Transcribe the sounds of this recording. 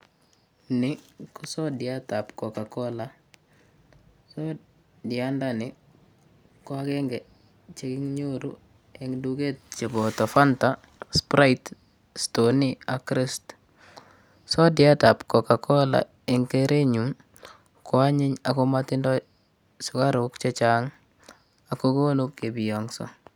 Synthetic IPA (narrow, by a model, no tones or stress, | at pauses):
nɪkusɔdɪatapkɔkakɔla | sɔ | dɪandanɪ | kwakɛŋɡɛ | t͡ʃekɪŋɲoɾu | ɛŋduket̚t͡ʃebɔtafanta | spɾajt | stoniakɾɪst | sɔdɪatapkɔkakʰɔla̰ | eŋkeɾʔeɲum | kɔaɲɪɲakomatɪndɔ | sʊkaɾʊkt͡ʃet͡ʃaŋ | akokonukːebijɔŋsɔ̰